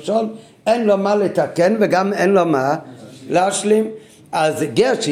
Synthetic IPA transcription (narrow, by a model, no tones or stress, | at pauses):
ʃɔn | ɛnlɔmaletakɛnvɪɡamɛnlɔmalaʃlim | azɡɛʃ